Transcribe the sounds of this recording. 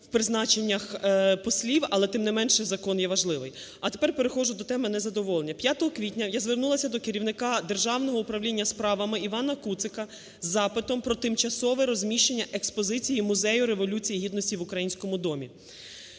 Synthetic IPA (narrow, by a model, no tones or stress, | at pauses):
wpɾɪznɑt͡ʃenʲːɐxpɔsʲlʲiwɐlˠɛt̪ɪmnɪmɛnʃɛzɐkɔnjɛʋɐʒlˠɪʋɪj | ɐt̪epɛrpe̞ɾexɔʒʊd̪ɔt̪ɛmɪnɛzɐd̪ɔʋɔlˠenʲːɐpʲjat̪ɔɦɔkʋʲitʲnʲɐjazʋernulˠɐsʲɐd̪ɔkeɾʲiwnɪkɑd̪e̞rʒɑwnɔɦɔʊpɾɐwlʲinʲːɐspɾɑʋɐmɪiʋɑnɐkut̪sɪkɐ | zːɑpɪt̪ɔmpɾɔt̪ɪmt͡ʃɐsɔʋɛɾɔzʲmʲiʃt͡ʃenʲːɐʔekspɔzɪt͡sʲijimʊzɛjʊɾe̞ʋɔlʲut͡sʲijiɦʲid̪nɔsʲtʲiʋʊkɾɐjinʲsʲkɔmʊd̪ɔmʲi